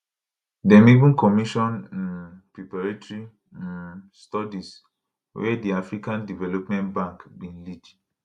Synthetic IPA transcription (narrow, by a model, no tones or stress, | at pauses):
dɛ̃mĩbũkɔmiʃɔ̃nn̩pɾipaɾetɾi | stɔdis | wɛdiafɾikãndivɛlopmɛ̃ntbãŋkbĩn̩lid͡ʒ